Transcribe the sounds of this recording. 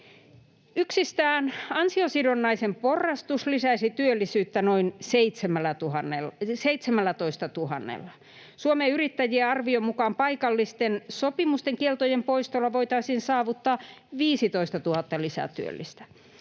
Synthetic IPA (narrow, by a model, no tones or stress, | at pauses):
yksist̪æːnɑnsiosidonːɑisemporːɑst̪uslisæisit̪yølːisyːt̪ːænoinseit̪semælːæt̪uhɑnːelseit̪semælːæt̪oist̪ɑt̪uhɑnːḛlːɑ | suomeyrit̪ːæjieɑrʋiomukɑːmpɑikɑlːist̪ensopimust̪eŋkielt̪ojempoist̪olːɑʋoit̪ɑisiːnsɑːʋut̪ːɑːʋiːsit̪oist̪ɑt̪uhɑt̪ːɑlisæ̰t̪yø̰lːist̪æ̥